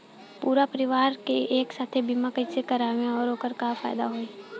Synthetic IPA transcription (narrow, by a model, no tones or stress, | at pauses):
puːɾapəɾɪʋaːɾkeʔeːksaːt̪ʰebimakəisekəɾaːʋẽɔːɾoːkəɾkafa̰ːjd̪a̰ɦoi